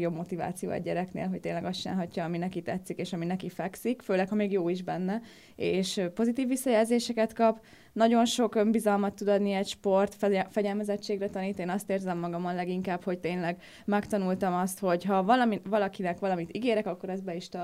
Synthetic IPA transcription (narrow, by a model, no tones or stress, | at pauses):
jo̞bmo̞t̪iva̰ːt̪sijo̰ːɛ̰ɟɛɾɛknḛːlɦo̞c̚t̪eːnlɛɡɒst͡ʃina̰ːlɦɒcːɒːminɛkit̪ɛt̪sːikeːʃɒminɛkifɛksikføːlɛkhɒmeːɡjoːiʒbɛnːɛ | eːʃpo̞zit̪iːvːisːɒjɛlzeːʃɛkɛt̪kɒp | nɒɟo̞nʃo̞kømbizɒlmɒt̪ːud̪ɒd̪niɛcʃpo̞rt̪fɛɟɛlmɛzɛt͡ʃːeːɡrɛt̪ɒniːt̪eːnɒst̪eːrzɛmːɒɡɒmɒnlɛɡiŋkaːpho̞ct̪eːnlɛɡ | mɛkt̪ɒnult̪ɒmɒst̪ho̞ɟɦɒvɒlɒmivɒlɒkinɛkʋɒlɒmit̪iɡeːɾɛkɒkːo̞ɾɛzbɛiʃt̪ɒ